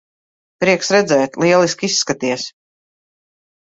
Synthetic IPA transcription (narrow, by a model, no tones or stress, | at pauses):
pɾiɛksɾɛd̪zɛːt̪lˠiɛlˠiskisːkat̪iɛs